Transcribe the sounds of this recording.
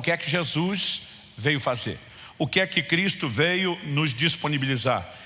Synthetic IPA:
kɪɛkɪʒezus | vejʊfazḛɾ | ʊkɪɛkɪkɾist̪ʊvejʊnʊzd͡ʒisponibiliza̰ɾ

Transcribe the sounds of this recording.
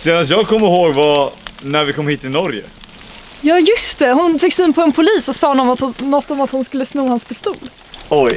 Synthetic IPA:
seːnanst̪jɑːɡ̚kʰɔmːəɾɦoːɡvanæɾvɪkʰɔmhiːt̪ːɪnɔɾjə̰ | jɑːjɵst̪ɛhʊnfɪkːsyːnpʰɔɛnpʰʊliːsɔsɑːnɔmat̪nɔt̪ːɔmat̪hʊnskɵlːəsnuːhanspʰɪst̪uːl | ɔj

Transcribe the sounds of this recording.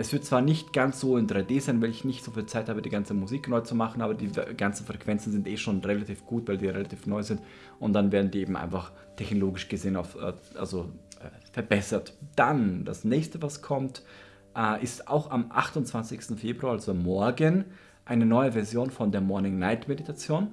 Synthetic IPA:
ʔɛsv̥ɪɐt̚t͡sv̥aːɐnɪçtɡ̥ansz̥oːɪndʁaɪdeːzaɪnvaɪlɪçnɪçtz̥ofiːlt͡saɪthaːbədiːɡant͡səmuziːknɔʏət͡sumaχn̩ʔaːbɐdiːɡant͡sn̩fʁ̥ɛkv̥ɛnt͡sn̩zɪntʔeːʃoːnʁelatiːfɡ̥uːtvaɪldiːʁelatʰiːfnɔʏzɪnt | ʊntd̥anveːɐdn̩diːeːbm̩ʔa̰ɪnfaχ | tʰɛçnoloːɡɪʃɡ̥əzeːəna̰ʊfʔɛ̰ːʔa̰lzoʔɛ̰ː | fɛɐbɛsɐtd̥and̥a̰snɛːçstəvaskʰɔmt | ʔɛːʔɪsta̰ʊxamʔa̰χtʊntt͡sv̥ant͡sɪçstn̩feːbʁuaazommɔɐɡən | ʔaɪnənɔʏəvɛɐzjoːnfɔndeːɐmɔɐnɪŋnaɪtmeditʰat͡sjoːn

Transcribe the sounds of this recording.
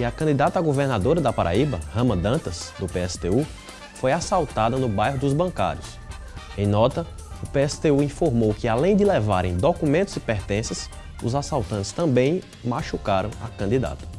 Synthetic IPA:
ɪɐkɐ̃d̪id̪at̪ɐaɡoveɾnad̪oɾɐd̪ɐpaɾʔa̰ibɐ̰hɐ̃mɐd̪ɐ̃t̪ɐzd̪ʊpeɛsɪ̥t̪eu | fojasawt̪ad̪ɐnʊbajɦʊd̪ʊzbɐ̃ka̰ɾjʊs | ẽj̃nɔt̪ɐ | ʊpeɛsɪ̥t̪euĩfoɾmowkɪalẽj̃d̪ɪlɛva̰ɾʔẽj̃d̪okumẽnt̪ʊzɪpɛɾt̪ẽsɐs | ʊzasawt̪ɐ̃t̪ɪst̪ɐ̃mbẽj̃ | maʃukaɾɐ̃w̃akɐ̃nd̪id̪a̰t̪ɐ̥

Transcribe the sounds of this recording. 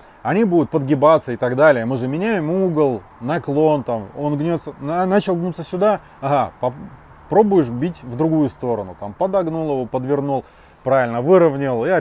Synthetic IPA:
ɐnʲibud̪ʊt̪̚pəd̪ɡʲɪbat̪sːəɪt̪aɡd̪alʲɪjəmɨʐɨmʲɪnʲæjɪmuɡəlˠ | nɐklˠo̞nt̪amo̞nɡnʲot̪sənanat͡ɕɪlˠɡnut̪səsʲʊd̪a | ɐɦapɐ | pɾo̞bʊjɪʂ̬bʲitʲvd̪ɾʊɡujʊst̪o̞ɾənʊt̪ampəd̪ɐɡnulˠjɪvopəd̪vʲɪrnulˠ | pɾavʲɪlʲnəvɨɾəvnʲɪlˠja

